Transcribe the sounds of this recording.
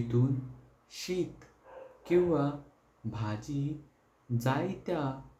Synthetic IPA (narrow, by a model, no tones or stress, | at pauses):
t̪uːn | ɕit̪ | kĩʋa | bʱad͡ʑi | d͡zajt̪ja